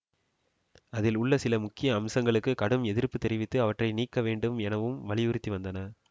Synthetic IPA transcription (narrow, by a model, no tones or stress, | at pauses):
ɐðɪlʊɭːɐsɪlɐmʊkːɪjɐːmsɐŋɡɐɭɯkːɯkɐɽɯmɛðɪɾpːɯt̪ːɛɾɪʋɪt̪ːɯɐʋɐʈrɐɪniːkːɐʋeːɳɖɯmɛnɐʋɯmʋɐɭɪʋɯɾɯt̪ːiʋɐnd̪ɐnɐ